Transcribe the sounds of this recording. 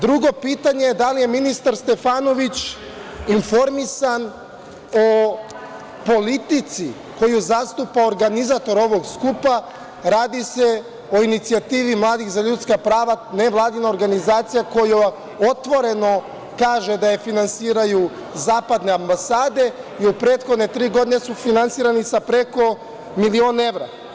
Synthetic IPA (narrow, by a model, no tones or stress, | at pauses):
d̪ɾuɡo̞piːt̪aɲejed̪alije̞minist̪aɾst̪e̞faːno̞ʋit͡ɕ | info̞ɾmisan | o̞ | po̞lit̪it̪si | ko̞juzast̪upaoɾɡanizat̪o̞ɾo̞ʋo̞ɡskupa | ɾaːd̪ise̞ | o̞init̪siat̪iːʋimlˠaːd̪ixzaʎut̪skapɾaːʋane̞ʋlˠaːd̪inaoɾɡanizaːt̪sijako̞ju | o̞t̪ʋo̞ɾe̞no̞ | kaːʒe̞d̪ajefinansiːɾaju | zaːpad̪ne̞ambasaːd̪e̞iupɾe̞ːt̪xod̪ne̞t̪ɾiːɡo̞d̪ine̞sufinansiːɾanisapɾe̞ko̞ | milio̞ːne̞ʋɾa